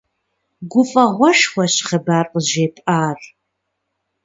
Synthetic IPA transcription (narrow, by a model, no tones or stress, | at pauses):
ɡʷʊfʼɐʁʷɔʃxʷɐɕχɐbaːrqʼəʒeːpʼaːr